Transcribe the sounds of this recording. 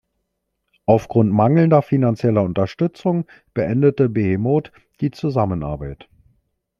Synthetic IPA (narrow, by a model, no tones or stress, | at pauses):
ʔaʊfɡ̥ʁʊntmaŋl̩ndɐfinant͡sjɛlɐʊntɐʃtʏt͡sʊŋ | b̥əʔɛndətəbemoːt | d̥iːt͡suzamənʔa̰ɐbaɪt